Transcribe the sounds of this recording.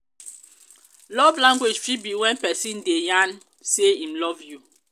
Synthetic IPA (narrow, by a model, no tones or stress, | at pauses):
lɔvlãŋɡwed͡ʒfibiwɛ̃npɛsĩndejãn | seĩmlɔvju